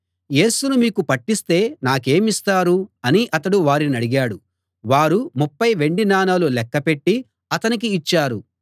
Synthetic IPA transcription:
je̞ːsunumiːkupɐʈːist̪e̞ːnaːke̞ːmist̪aːɾuɐniʔɐt̪ɐɽuʋaːɾinɐɽiɡaːɽu | ʋaːɾumupːɐjʋe̞ɳɖinaːnaːlulɛkːɐpe̞ʈːi | ɐt̪ɐnik̬iːt͡ʃːaːɾu

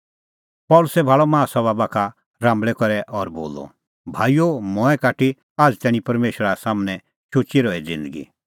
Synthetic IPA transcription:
pɔlʊsɛbʱaːɭɔmãːsɔbabakʰa | ɾãːmbɭɛkɔɾɛʔɔɾboːlɔ̰ | bʱaːijomɔ̃ɛkaːʈi | aːd͡zt̪ɛːɽ̃ĩpɐɾmeːʃɾasaːmnɛ | ʃʰʊt͡ʃiɾɔːɛd͡zɪ̃nd̪əɡḭ

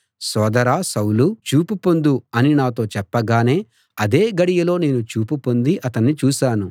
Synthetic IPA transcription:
sɔːd̪ɐɾaːsɐwlut͡ʃuːpupo̞nd̪uɐninaːt̪o̞ːt͡ʃɛpːɐɡaːne̞ː | ɐd̪eːɡɐɽijɐlo̞ːne̞ːnut͡ʃuːpupo̞nd̪iʔɐt̪ɐnːit͡ʃuːʃaːnu

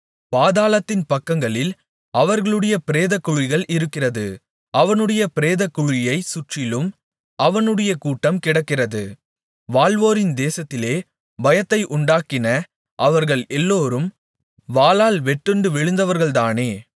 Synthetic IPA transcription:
paːðaːlɐt̪ːɪnpɐkːɐŋɡɐɭɪl | ʔɐʋɐɾɣɐɭɯɽɐjɐpɪɾeːðɐkːʊɻɪɣɐɭʔɪɾɯkːɪrɐðɯ̰ | ʔɐʋɐnɯɽɐjɐpɪɾeːðɐkːʊɻɪjɐɪsʊʈrɪlɯm | ʔɐʋɐnɯɽɐjɐkuːʈːɐmkɪɽɐkːɪrɐðɯ | ʋaːɭʋoːɾɪnd̪eːsɐt̪ːɪleː | bɐjɐt̪ːɐɪʔʊɳɖaːkɪnɐ | ʔɐʋɐɾɣɐɭɛlːoːɾɯm | ʋaːlaːlʋɛʈːɯɳɖɯʋɛɻɯnd̪ɐʋɐɾɣɐɭt̪aːneː

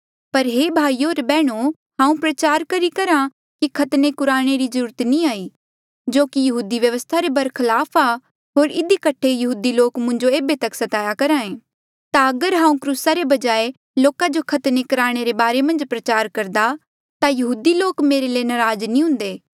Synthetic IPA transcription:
pɐɾɦebʱaːiːoːɾbɛːɽ̃o | ɦãːũpɾɐt͡ʃaːɾkɐɾikɐɾã | kikʰɐt̪nekʊɾaːɽ̃eɾizɐɾuːɾət̪inĩaːiː | d͡ʒoːkijɐɦuːd̪iʋjɐʋəst̪ʰaɾebɐɾkʰɐlaːpʰa | ɦoːɾɪd̪ikɐʈʰːejɐɦuːd̪iloːkmʊ̃ɲd͡ʒoeːbet̪ɐksɐt̪aːjakɐɾaːẽː | t̪aɐɡəɾɦãːũkɾuːsaɾebɐd͡ʒaːe | loːkad͡ʒokʰɐt̪nekʊɾaːɽ̃eɾebaːɾemɐ̃nd͡ʒpɾɐt͡ʃaːɾkɐɾd̪a | t̪ajɐɦuːd̪iloːkmeːɾeleːnɐɾaːd͡ʒnĩɦʊ̃nd̪eː

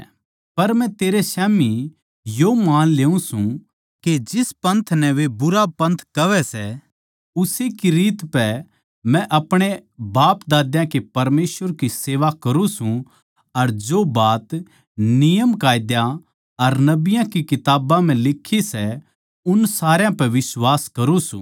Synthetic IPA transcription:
pɐɾmɛ̃t̪eːɾesɛːmi | joːmaːnleːũsũ | ked͡ʒɪspɐ̃nt̪ʰnɛʋebʊɾapɐ̃nt̪ʰkɐʋɛsɛ | ʊsekiɾiːt̪pɛ | mɛ̃ʔɐpɽ̃ebaːpd̪aːd̪jãkepɐɾmeːsʋəɾkiseːʋakɐɾũsũ | ɐɾd͡ʒobaːt̪ | nɪjəmkaːjd̪ja | ɐɾnɐbɪjãkikɪt̪aːbãm̤ɛ̃lɪkʰːisɛ | ʊnsaːɾjãpɛʋɪswaːskɐɾũsṵ̃ː

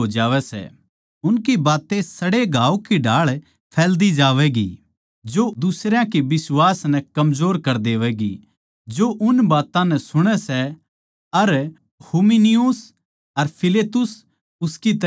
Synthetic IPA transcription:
od͡ʒaːʋɛsɛ̰ | ʊnkibaːt̪esɐɽeɡʱaːukiɖʱaːɭ | pʰɛːld̪id͡ʒaːʋɛɡḭ | d͡ʒod̪ʊsɾjãkebɪswaːsnɛ̃kɐmzoːɾkɐɾd̪eːʋɛɡi | d͡ʒoʔʊnbaːt̪ãnɛsʊɽ̃ɛsɛ | ɐɾ | huminijʊs | ɐɾpʰɪleːt̪ʊs | ʊskit̪

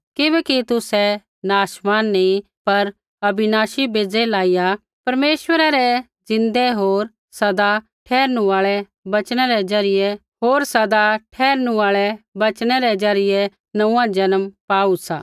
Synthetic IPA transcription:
kɪbɛkit̪ʊsɛ | naːʃmaːnːĩ | pɐɾ | ɐbɪnaːʃibeːd͡zɛlaːija | pɐɾmeːʃwəɾaɾɛ | d͡zɪ̃nd̪ɛɦoːɾ | sɐd̪a | ʈʰɛːɾnũaːɭɛ | bɐt͡ʃɽ̃ɛɾɛzɐɾɪjɛ | ɦoːɾsɐd̪aʈʰɛːɾnũaːɭɛbɐt͡ʃñɛɾɛd͡zɐɾɪjɛ | nɐũːãd͡ʒɐnəmpaːusa̰ː

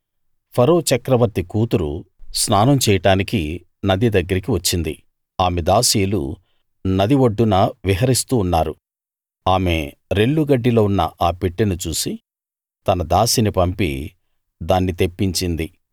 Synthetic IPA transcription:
pʰɐɾo̞ːt͡ʃɐkɾɐʋɐɾt̪ikuːt̪uɾṵsnaːnɐmt͡ʃɛːjɐʈaːniki | nɐd̪id̪ɐɡːɐɾik̬iʋɐt͡ʃːind̪i | aːmed̪aːsiːlṵ | nɐd̪iʋoɖːunɐʋiɦɐɾist̪uːnːaːɾu | aːme̞ | ɾeɭːuɡɐɖːiloːunːɐ̰ʔaːpiʈːinut͡ʃuːsi | t̪ɐnɐd̪aːsinipɐmpḭ | d̪aːnːit̪epːiɲt͡ʃind̪i

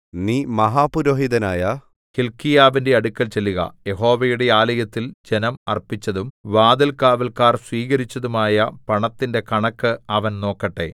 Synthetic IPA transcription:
niːmɐɦaːpuɾoːɦiðɐnaːjɐ | kilkːijaːʋinde̞ɐɽukʲːɐlt͡ɕelːiɣɐ̰je̞ɦo̞ːʋɐjuɽe̞aːlɐjɐt̪ːild͡ʑe̞nɐmɐrpit͡ɕːɐðumʋaːd̪ɐlkaːʋɐlkaːrsʋiːɣɐɾit͡ɕːɐðumaːjɐpɐɳɐt̪ːinde̞kɐɳɐkːɨɐʋɐnno̞ːkːɐʈːe̞̰

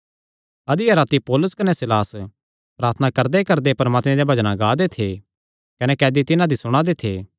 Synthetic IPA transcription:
ɐd̪iɐɾaːt̪ipɔːlʊskɐnɛsɪlaːs | pɾaːɾt̪ʰnakɐɾd̪ekɐɾd̪epɐɾmaːt̪mẽd̪jebʱɐd͡ʒnãɡaːd̪et̪ʰe | kɐnɛkɛːd̪it̪ɪnãd̪isʊɽ̃ãd̪et̪ʰḛː

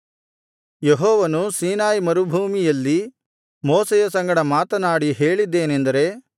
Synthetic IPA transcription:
jeɦɔːʋɐnusiːnaːjmɐɾubʱuːmijɐlːi | moːsejɐsɐŋɡɐɽɐmaːt̪ɐnaːɽiɦeːɭid̪ːe̞ːnend̪ɐɾe̞

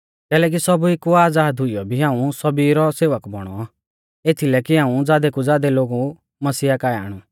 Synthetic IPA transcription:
kɛːlɛːk̬isɔbuekːuaːd͡zaːd̪ɦʊijɔbʱiɦãːũsɔbiɾɔseːʋəkbɔɽ̃ɔ̰ | eːt̪ʰilɛkiɦãːũd͡zaːd̪ɛkud͡zaːd̪ɛloːɡu | mɐsiːakaːɛa̰ːɽ̃u

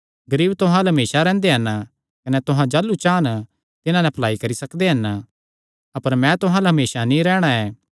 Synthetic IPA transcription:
ɡɐɾiːbt̪ʊɦãlɦɐmeːsaɾɛ̃ːnd̪eɦɐn | kɐnɛt̪ʊɦãd͡ʒaːlːut͡ʃaːn | t̪ɪnãnɛpʰɐlaːikɐɾisɐkd̪eɦɐn | ɐpəɾmɛ̃t̪ʊɦãlɦɐmeːsanĩɾɛːɽ̃aeː

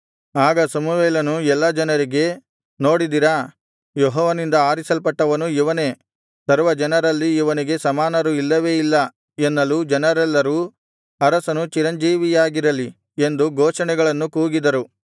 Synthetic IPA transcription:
aːɡɐsɐmuʋeːlɐnuɛlːɐd͡ʒɐnɐɾiɡe̞ | no̞ːɽid̪iɾɐ | joɦɔːʋɐnind̪ɐaːɾisɐlpɐʈːɐʋɐnuiʋɐne̞ | sɐɾʋɐd͡ʒɐnɐɾɐlːiiʋɐniɡe̞sɐmaːnɐɾuilːɐʋe̞ːilːɐ | enːɐlud͡ʒɛnɐɾɛlːɐɾu | ɐɾɐsɐnut͡ʃiɾɐɲd͡ʒiːʋijaːɡiɾɐli | e̞nd̪uɡɔːʃɐnɛɡɐɭɐnːukuːɡid̪ɐɾu

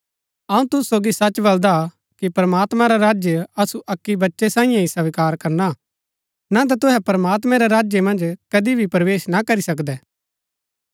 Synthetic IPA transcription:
ɐũt̪ʊssoːɡisɐt͡ʃbɐld̪a | kipɐɾəmaːt̪mãɾaɾaːd͡ʒjəɐsuʔɐkːibɐtːʃesãːɪ̃jãisɐʋɪkaːɾkɐɾna | nat̪̬at̪ʊɦɛpɐɾəmaːt̪mɛ̃ɾɛɾaːd͡ʒjəmɐ̃nd͡ʒkɐd̪ibʱipɾɐʋeːʃnakɐɾisɐkd̪ɛː

